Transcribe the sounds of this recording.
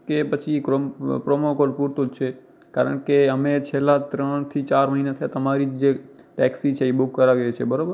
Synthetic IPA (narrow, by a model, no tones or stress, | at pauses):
kepət͡ʃʰikɾompɾomokolpuɾt̪od͡ʒt͡ʃʰe | ka̰ɾə̰ɳkeəmet͡ʃʰelːat̪ɾəɳ̃t̪ʰit͡ʃaɾməɦinat̪ʰəjat̪əmaɾid͡ʒd͡ʒe | ʈɛksit͡ʃʰeibuɦukːəɾaʋiɾet͡ʃʰebəɾobəɾ